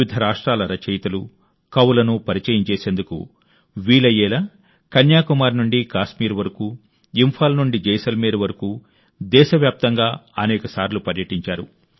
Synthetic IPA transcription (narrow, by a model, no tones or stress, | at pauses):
id̪ʱɐɾaːʂʈɾaːlɐɾɐt͡ʃɐjt̪ɐlu | kɐwulɐnupɐɾit͡ʃɐjɐmt͡ʃeːse̞ːnd̪ukṵ | ʋiːlɐjɛːlɐ | kɐnjaːkumaːɾnuɳɖikaːʃmiːɾʋɐɾɐku | impʰaːlɐnuɳɖid͡ʒɛːjsɐlmiːɾɐʋɐɾɐkuː | d̪ɛːʃɐʋjaːp̚t̪ɐŋɡaːɐnɛːkɐsaːɾlupɐɾjɐʈiɲt͡ʃaːɾṵ